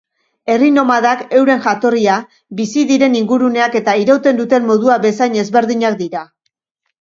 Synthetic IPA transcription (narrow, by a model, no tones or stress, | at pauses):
e̞rino̞maðake̞wɾe̞ŋʝat̪o̞ria | bisiðiɾe̞niŋɡuɾune̞ake̞t̪aiɾawt̪e̞nd̪ut̪e̞mmo̞ð̞uaβe̞sajɲe̞zβe̞ɾðiɲak̚d̪iɾa